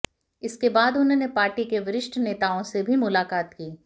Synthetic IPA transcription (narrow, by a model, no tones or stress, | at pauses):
ɪskebaːd̪ʊnɦõːnepaːɾʈikeʋɪɾɪʃʈʰneːt̪aːõsebʱimʊlaːkaːt̪kiː